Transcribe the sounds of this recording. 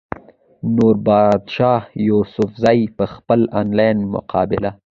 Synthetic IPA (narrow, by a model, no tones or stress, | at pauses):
noɾbɑd̪ʃɑhjusʊfzɑjpəxpəlɑnlɑjnmʊ̰qʰɑ̰bɪla